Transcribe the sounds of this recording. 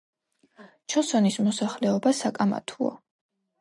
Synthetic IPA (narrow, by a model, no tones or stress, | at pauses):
t͡ʃʰɔsɔnismɔsaχlɛɔbasakʼama̰t̪ʰuɔ̰